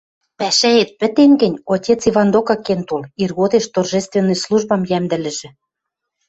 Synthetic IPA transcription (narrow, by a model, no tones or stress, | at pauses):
pæʃæet̪̚pɘ̆t̪enɡɘ̆nʲotʲet͡siβɑnd̪okɑkent̪olirɣod̪eʃt̪orʒest̪venːɤ̆jsluʒbɑmjæmd̪ɘ̆lɘ̆ʒɘ̆